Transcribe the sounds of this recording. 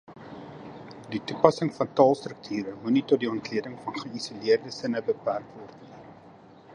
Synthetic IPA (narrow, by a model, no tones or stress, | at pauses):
ditupɐsəŋfɐntɑːlˠstrək̚tʰyːɾəmunitɔt̚diɔntliədəŋfɐnχəisuliərdəsənəbəpærkvɔrtni